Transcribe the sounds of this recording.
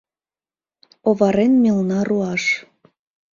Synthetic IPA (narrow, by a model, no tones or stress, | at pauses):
oβɑɾenmelnɑruɑʃ